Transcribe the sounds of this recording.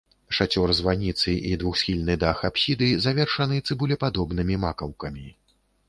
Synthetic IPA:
ʂat͡sʲɔrzvanʲit̪sɨʔid̪vuxsʲxʲilʲnɨd̪axapsʲid̪ɨzavʲɛrʂɐnɨt̪sɨbulʲɛpad̪ɔbnɨmʲimakɐwkɐmʲi

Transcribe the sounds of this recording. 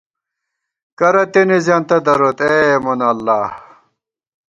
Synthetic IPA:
kɐɾɐt̪enizjaːnt̪ɐd̪ɐɾoːt̪emonɐlːaːh

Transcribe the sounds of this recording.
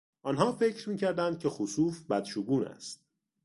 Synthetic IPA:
ʔɒːnɦɒːfe̞cʰɾmiːcʰæɾd̪ænd̪̚cʲʰe̞xusuːfbæd̪̥ʃuɡuːnæ̰st̪̚

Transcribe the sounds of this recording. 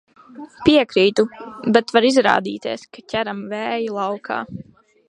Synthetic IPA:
piɛkɾiːt̪ubɛt̪vaɾizɾa̰ːd̪ḭːt̪iːskacʲæɾamvæːjilˠawkʰa̰ː

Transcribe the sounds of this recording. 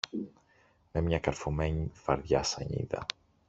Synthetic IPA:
memiɲakaɾfomɛɲfaɾðja̰saɲḭða̰

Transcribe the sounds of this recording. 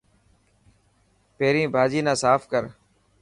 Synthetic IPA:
peːɾĩːbʱaːd͡ʒiːnãːsaːfkəɾ

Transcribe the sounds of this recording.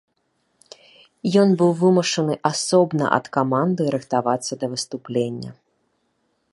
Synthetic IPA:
jɔnbɨwvɨmɐʂɐnɨʔasɔbnɐ̰ʔɐ̰t̪kamand̪ɨɾɨxt̪avat̪sːɐd̪ɐvɨst̪uplʲenʲːɐ̰

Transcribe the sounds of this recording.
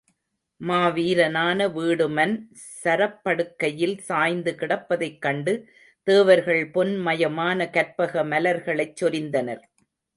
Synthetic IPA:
maːʋiːɾɐnaːnɐʋiːɽɯmɐn | sɐɾɐpːɐɽɯkːɐjɪlsaːjnd̪ɯkɪɽɐpːɐðɐɪkːɐɳɖɯ | t̪eːʋɐɾɣɐɭpɔnmɐjɐmaːnɐkɐɾpɐɣɐmɐlɐɾɣɐɭɐɪt͡ʃːɔɾɪnd̪ɐnɐɾ

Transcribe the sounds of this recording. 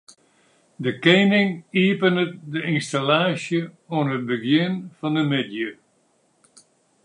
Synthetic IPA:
dəkejnɪŋiəpənədəɪnstalaːsjə | oənɦət̚bəɡjɪnfɑndəmɪdjə

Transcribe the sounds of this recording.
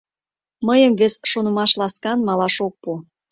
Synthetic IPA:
məjəmvesʃonə̆mɑʃlɑskɑnmɑlɑʃok̚pu

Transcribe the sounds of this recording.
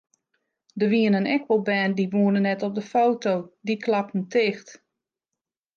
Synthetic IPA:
dəʋiənənɛkʋəlˠbɛːndiʋuənənːɛtɔp̚dəfowtowdiklɑp̚ən̩tʰɪːxt

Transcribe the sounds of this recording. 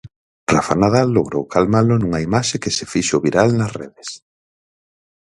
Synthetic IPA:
rafanað̞alːoɣɾowkʰalmalonuŋɐimaʃekesefiʃoβiɾalnɐsreðes

